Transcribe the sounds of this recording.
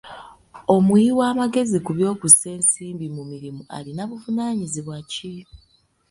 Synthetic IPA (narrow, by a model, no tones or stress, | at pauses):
o̞mwiiwaːmaɡe̞zikuβjo̞ːkuse̞ːnsiːmbimumiɾimuʔa̰linaβuvunaːɲiziβwaci